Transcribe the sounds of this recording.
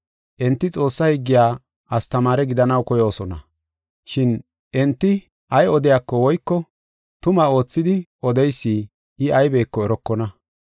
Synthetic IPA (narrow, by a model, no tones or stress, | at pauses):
ʔɛnt̪ːɪt͡sʼo̞ːsːɐhiɡːɪjaː | ʔɐst̪ɐmaːɾɛɡɪd̪ɐnɐwkɔjo̞ːsɔnɐ̰ | ʃɪn | ʔɛnt̪ːɪ | ʔɐjɔd̪ɪjaːkːɔwɔjkːɔ | t̪ʊmao̞ːt͡sːɪd̪ɪʔɔd̪ɛjsːiː | ʔɪɐjbe̞ːkːɔɛɾɔkːɔnɐ